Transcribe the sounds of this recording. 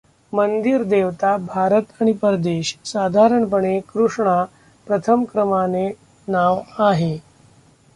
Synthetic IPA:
mənd̪iɾd̪eʋt̪abʱaɾət̪aɽ̃ipəɾd̪eɕsad̪ʱaɾəɳpəɳekɾuʂɳa | pɾət̪ʰəmkɾəmane | naʋaɦe

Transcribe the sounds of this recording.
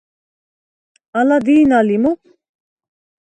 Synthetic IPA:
alad̪iːnalimu

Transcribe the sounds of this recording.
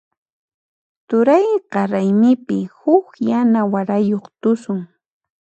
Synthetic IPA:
t̪ʊɾajqɑɾajmɪpɪhʊkjanawaɾajoχt̪ʊsʊŋ

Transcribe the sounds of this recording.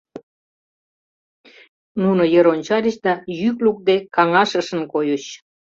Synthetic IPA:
nunojəɾonʲt͡ɕɑɾʲəɕd̪ɑjykluk̚d̪ekɑŋɑʃəʃə̆nkojəɕ

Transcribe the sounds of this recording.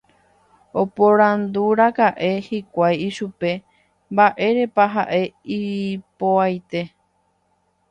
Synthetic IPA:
o̞poɾãnd̪uɾakaʔe̞hikʷajiʃupe̞ | mbaʔe̞ɾe̞paɦa̰ʔe̞iipoajt̪e̞

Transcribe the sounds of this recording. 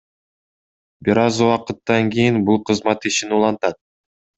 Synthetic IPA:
biɾɑzuwɑqɯt̪ːɑŋkʲijinbulˠqʰɯzmɑt̪iʃinɪulˠɑnt̪ɑd̪̚

